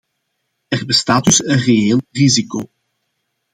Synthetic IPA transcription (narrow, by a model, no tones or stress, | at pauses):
ɛrbəstaːd̚dɵsənrejeːlˠrizikoː